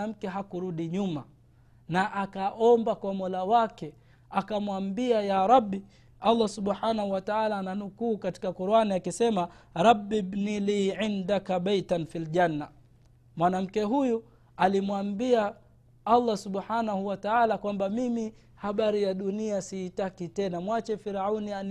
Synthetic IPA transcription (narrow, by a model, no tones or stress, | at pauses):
am̩kɛɦakuɾuɗiɲuma | naʔakaʔɔmbakwamɔlawakɛ | akamwambiajaɾabːi | alːasuɓħanahuwataalaːnanukuːkati̥kakuɾuaniakisɛmaɾˤɑbːibniliːʕindakaɓajtanfilʄanːa | mwanam̩kɛɦuju | alimwambia | alˤːasuɓħanahuwataalakwambamimi | haɓaɾijaɗuniasiːtakitɛnamwat͡ʃɛfiɾaunia